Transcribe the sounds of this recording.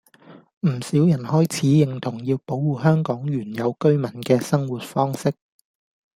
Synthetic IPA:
m̩˨˩siː˨˥wjɐ˨˩nhɔː˥jt͡sʰiː˨˥jɪ˨˩ŋt̪ʰʊ˨˩ŋjiː˧wpo˨˥wwuː˨˧ɦœː˥ŋkɔː˨˥ŋjyː˨˩njɐ˨˧wkɵ˥ɥmɐ˨˩nkɛː˧sɐ˥ŋwuː˨t̚fɔː˥ŋsɪ˥k̚

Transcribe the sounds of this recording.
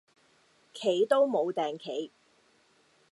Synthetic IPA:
kʰe˨˥jt̪o˥wmo˨˧wt̪ɛː˨ŋkʰe˨˥˧j

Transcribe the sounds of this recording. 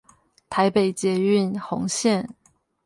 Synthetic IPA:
t̪ʰa˧˦ɪpe˨˩ɪt͡ɕjɛ˧˥y˥˨nxʊ̰˧˥ŋɕjɛ˥˨n

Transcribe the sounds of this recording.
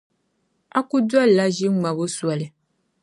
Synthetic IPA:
a̰˦ku˦du˦a˦˨la˦ʒi˦ŋ͡mã˨bo˦su˨a˨lɛ˨

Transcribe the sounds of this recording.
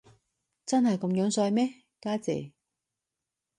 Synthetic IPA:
t͡sɐ˥nɦɐ˨jkɐ˧mjœː˨˥ŋsœː˧jmɛː˥ | kaː˥t͡sɛ̰ː˨˩

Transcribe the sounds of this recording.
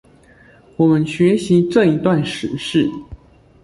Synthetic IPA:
wɔ˨˩mə˦nɕɥɛ˧˥ɕi˧˥ʈ͡ʂɤ˥˩i˧˥t̪wa˥˩nʂɻ̩˨˧˥ʂɻ̩˥˩

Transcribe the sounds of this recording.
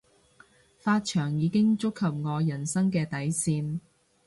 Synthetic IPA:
faː˧t̚t͡ʃʰœː˨˩ŋjiː˨˧kɪ˥ŋt͡sʊ˥kʰːɐ˨p̚ŋɔː˨˧jɐ˨˩nsɐ˥ŋkɛː˧t̪ɐ˨˥jsiː˧n

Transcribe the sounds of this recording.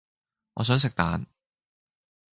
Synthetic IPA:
ŋɔː˨˧s̬œː˨˥ŋs̬ɪ˨k̚t̪a̰ː˨˧n

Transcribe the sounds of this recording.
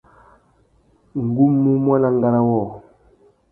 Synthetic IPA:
ŋ˨ɡu˦mːu˦mwa˦na˦˨ŋ˦ɡa˦ɾa˦wɔː˦˨

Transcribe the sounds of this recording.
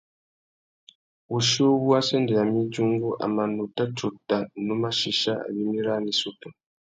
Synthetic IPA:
u˨ʃo˦βu˦a˦se˦nde˨ja˨mi˦d͡ʒu˦ŋɡu˦ʔa̰˨ma˨nu˨ta˦t͡ʃu˨ta˨nu˦ma˦ʃi˦ʃa˦a̰˨βi˦mi˦ɾa˦ni˨su˦ta˨

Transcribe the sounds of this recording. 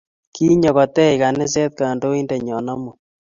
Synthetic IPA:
kʰi˦ɲɔ˨ɣɔ˨tɛ˦jka˨nɛ˦s̬ɛ˦t̪̚ka˨ndo˦i˦ndɛ˨ɲɔ˨nɔ˦mo˨

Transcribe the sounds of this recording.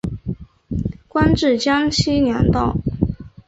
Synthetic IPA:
kwa˥nʈ͡ʂɻ̩˥˩t͡ɕjɑ˥ŋɕʰi˥njɑ˧˥ŋt̪ɑ˥˩ʊ

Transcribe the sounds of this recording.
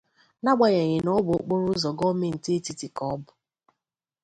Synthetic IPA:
na˦ɡ͡ba˨ɲe˨ɲɪ˨nɔ˦bʊ˨˦k͡po˦ɾʊ˦zɔ˨ɡɔ˦me˨n̩˨te˦ti˦ti˨kɔ˦bʊ˨

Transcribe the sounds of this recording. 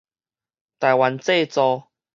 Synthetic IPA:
t̪a˨˩jwa˨˦nt͡se˥˧t͡sɔ˧

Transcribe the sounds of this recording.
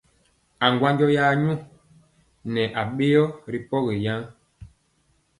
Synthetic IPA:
a˨ŋɡwa˦ɲd͡ʒɔ˦jaː˦ɲu˦ | nɛ˨ʔa˨ɓe˦jɔ˦ɾi˦pɔ˦ɣe˨ja˦ŋ

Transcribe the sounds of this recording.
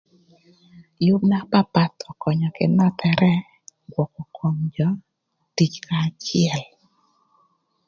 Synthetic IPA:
jʊ˦bna˦pa˦pa˨t̪ɔ˨kɔ˨ɲɔ˨kɪ˨nɔ˦t̪ʰɛ˨ɾʔɛ˦ | ɡwɔ˨kɔ˨kʰɔ˨ŋd͡ʒɔ˦ | ti˦t͡ʃkʰa˨t͡ʃɪɛ˨l

